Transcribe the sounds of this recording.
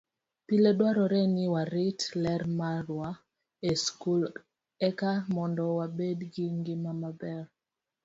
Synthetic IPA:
piledwaɾɔɾɛnɪwaɾɪtlɛɾmaɾwa | eskul | ɛkamɔndɔwabedɡɪŋɡɪmamabɛr

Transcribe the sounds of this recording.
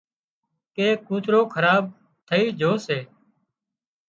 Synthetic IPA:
keːkuːt̪ɾoːkʰəɾaːb̚ | t̪ʰəiːd͡ʒʱoːseː

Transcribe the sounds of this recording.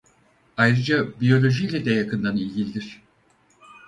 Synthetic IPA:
ajɾɯd͡ʒabijo̞lʲo̞ʒijlʲɛd̪ɛjakʰɯnd̪anilʲɟʲilʲid̪iɾ̝̥

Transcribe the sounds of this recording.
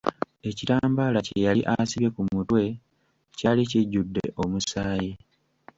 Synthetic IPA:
e̞citaːmbaːlacejaliʔasiβe̞kumutwe̞ | caːliciɟːudːe̞̰ʔo̞musaːje

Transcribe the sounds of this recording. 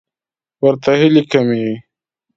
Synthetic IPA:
wɐɾt̪aɦilikɐmi

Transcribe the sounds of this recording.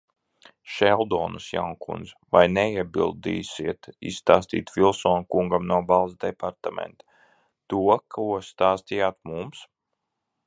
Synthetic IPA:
ʃɛlˠd̪ɔːnusja̰wnkṵnd̪zvajnɛiɛbilˠd̪ḭːsiɛt̪ḭsst̪aːst̪ḭːt̪vilˠsɔːnukuŋɡamnuɔbalˠzd̪ɛpaɾt̪amɛ̰nt̪ḁ | t̪uɔkʰuɔst̪aːst̪ijaːt̪̚mums

